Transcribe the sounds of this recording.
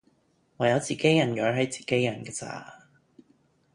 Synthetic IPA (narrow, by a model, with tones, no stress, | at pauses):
ŋɔː˨˧jɐ˨˧wt͡siː˨ke˨˥jɐ˨˩njœː˨˥ɦɐ˨˥jt͡si̥ː˨˩ke˨˥jjɐ˨˩nkɛː˧t͡sa̰ː˨˧˩